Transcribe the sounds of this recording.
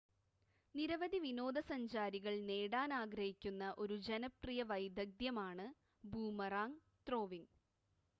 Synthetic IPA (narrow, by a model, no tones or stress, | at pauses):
niɾɐʋɐd̪iʋino̞ːd̪ɐsɐɲd͡ʑaːɾiɣɐɭne̞ːɽaːnaːɡɾɐhikʲːunːɐʔo̞ɾud͡ʑenɐprijɐʋɐjd̪ɐɡ̚d̪jɐmaːɳɨ | buːmɐraːŋ | t̪ro̞ːʋiŋɡ